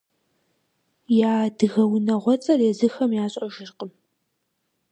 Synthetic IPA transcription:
jaːdɨɣɐwnɐʁʷɔt͡sʼɐreːzɨxɐmjaːɕʼɐʒɪrqʼəm

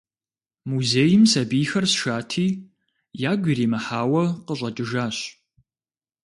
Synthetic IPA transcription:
muzeːjɪmsɐbiːxɐrsʃaːtʰiː | jaːɡʷiːɾiːmɐħaːwɐqəɕʼɐtʼɨʒaːɕ

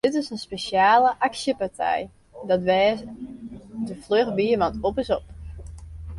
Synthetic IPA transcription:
d̥ɪtɪsənspeʃjaːləʔaksjəpartʰɛ̰j | dɔtʋɛː | dəfløxʋiəʋɔtopɪsɔp

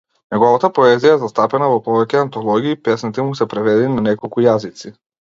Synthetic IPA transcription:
nɛɡɔvat̪apɔɛzijaɛzast̪apɛnavɔpɔvɛcʲɛant̪ɔlˠɔɡʲiːpɛsnit̪ɛmusɛpɾɛvɛd̪ɛnanɛkɔlˠkujazit̪si

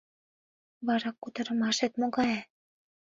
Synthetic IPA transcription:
βɑɾɑkːut̪ɤ̆ɾə̆mɑʃet̪moɣɑje

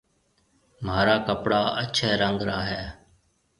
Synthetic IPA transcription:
maːɾaːkəpɽaːʔətːt͡ʃʰɛːɾəŋɡɾaːɦɛː

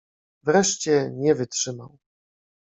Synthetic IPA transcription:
vɾɛʂt͡ɕɛɲɛvɘtʂɘmaw

